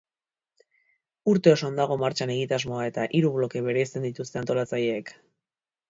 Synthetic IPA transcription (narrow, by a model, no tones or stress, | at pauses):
uɾt̪e̞o̞so̞nd̪aɣ̞o̞maɾt͡ʃane̞ɣ̞it̪azmo̞ae̞t̪aʔiɾuβlo̞ke̞βe̞ɾejst̪e̞nd̪it̪ust̪e̞ant̪o̞lat͡saje̞ːk